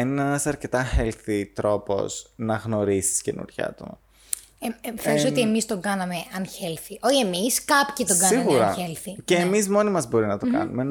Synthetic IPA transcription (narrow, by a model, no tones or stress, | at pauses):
enineenɐsɐɾce̞t̪ɐxelθit̪ɾo̞po̞̰snɐɣno̞ɾisi̥sce̞nṵɾʝɐ̰t̪o̰mɐ̰ | feɾsot̪iemist̪o̞ŋɡɐnɐme̞ɐnçelθiʔoçiemiskɐpçit̪oɡɐsiɐɣuɐɾɐçelθiceːmizmo̞nimɐzbo̞ɾinɐt̪o̞kɐ̰numen